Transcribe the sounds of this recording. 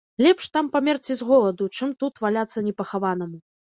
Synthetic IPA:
lʲɛpʂt̪ampamʲɛrt͡sʲizɣɔlˠɐd̪ut͡ʂɨmt̪ut̪valʲat̪sːɐnʲɛpɐxavanɐmu

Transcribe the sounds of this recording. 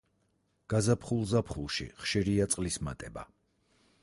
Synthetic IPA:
ɡ̥azapʰχulˠzapʰχulˠʃḭχʃiɾiat̪sʼqʼlisma̰t̪ʼɛba̰

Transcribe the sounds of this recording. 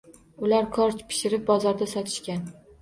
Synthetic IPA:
ʊlaɾkʰɒɾt͡ʃpʰɪ̥ʃɪɾɪp̚bɒzɒɾd̪asɒt̪ʰɪ̥ʃkʲan

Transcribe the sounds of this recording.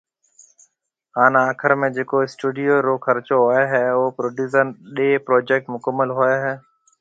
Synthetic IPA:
ɦaːnaːkʰəɾmẽːd͡ʒeːkoːɪsʈuːɖɪjoːɾoːkʰəɾt͡ʃoːɦoːeɦɛːoːpɾoːɖjuːzənɗeːpɾoːd͡ʒeːk̚ʈmʊkəmːəlɦoːeɦɛː

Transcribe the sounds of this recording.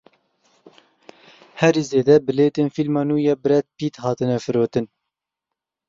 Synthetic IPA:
hɛɾiːzeːd̪ɛbɨleːt̪eːnfilmɑːnuːjɛːbɨɾɛt̪̚piːt̪hɑːt̪ɨnɛfɨɾoːt̪ɨn

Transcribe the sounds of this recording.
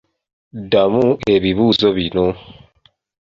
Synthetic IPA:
damue̞βiβuːzoβino

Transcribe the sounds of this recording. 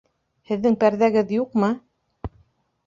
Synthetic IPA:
hɘ̆ðːɘŋpæɾðæɡɘðjuqmɤ

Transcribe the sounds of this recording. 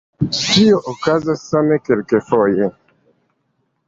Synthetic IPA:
ʃioʔokazasːamekelkefoje

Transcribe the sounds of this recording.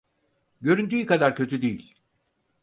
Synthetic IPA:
ɟø̞ɾynt̪ʰyjykad̪aɾcʰø̞t̪ʰyd̪ejḭlʲ

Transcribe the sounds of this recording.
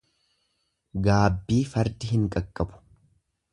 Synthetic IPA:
ɡaːbːiːfɐɾd̪ɪɦɪŋkʼɐkʼːɐbʊ̥

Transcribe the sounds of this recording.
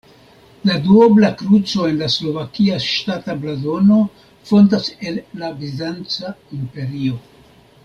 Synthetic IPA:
laduoblakɾut͡so̞e̞nlaslo̞vakiaʃtatablado̞no̞ | fo̞ntase̞lːabizdant͡saimpe̞ɾio̞

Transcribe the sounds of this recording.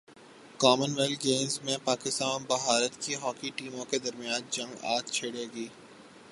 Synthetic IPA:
kɔːmənʋɛlɡeːmzmẽpaːkɪst̪aːnbɐɦaːɾət̪kiɦɔːkiʈiːmõked̪ɐɾmijãːnd͡ʒɐ̃ŋɡa̰ːt̪t͡ʃʰeːɽeːɡiː

